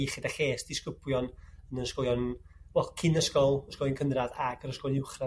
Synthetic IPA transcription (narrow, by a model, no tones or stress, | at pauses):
χɪdaχeːsd̥ɪskʊb̥ljɔnənənskɔlˠjɔnwɛlkʰɪnəskɔlˠəskɔlˠjɔnkʰənraðaɡəɾəskɔlˠɪwχra